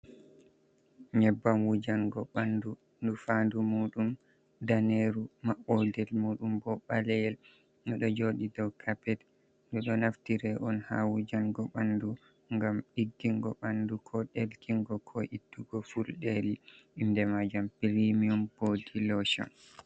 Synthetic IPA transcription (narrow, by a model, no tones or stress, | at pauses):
ɲɛbːamwud͡ʒaŋɡɔɓandu | ndufandumuːɗum | daneɾumaɓɔdɛlmuːɗumbɔɓalɛjɛl | nɔɗɔd͡ʒoɗidɔwkʰapɛt | nduɗɔnaftiɾɛʔɔnha̰wud͡ʒanɡɔɓandu | ŋɡamɗiɡːiŋɡɔɓandukʰɔɗelkiŋɡɔkʰɔʔid̥ːuɡɔfulɗeɾiʔindɛmad͡ʒampiɾimiumbodilɔʃɔ̰n